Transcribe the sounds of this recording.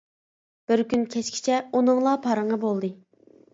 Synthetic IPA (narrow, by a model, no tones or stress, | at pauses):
b̥ɪɾkʲynkʲʰɛt͡ʃkʲʰi̥t͡ʃʰɛunɨŋlˠɑpʰɑɾəɴʁɑbolˠd̪ɨ